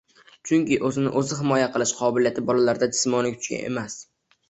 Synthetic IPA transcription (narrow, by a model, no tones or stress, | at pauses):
t͡ʃʰʊŋkʲɪʔɵzɪnɪ̰ʔɵzɪɦɪmɒjaqʰɨlˠɪʃqʰɒbɪljat̪ʰɪbɒlalaɾd̪ad͡ʒɪsmɒnɪkʲʰʊ̥t͡ʃʲkʲa̰ne̞̰mas